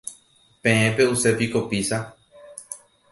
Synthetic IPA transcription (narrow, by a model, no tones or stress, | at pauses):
pẽ̞ẽpe̞use̞piko̞pisa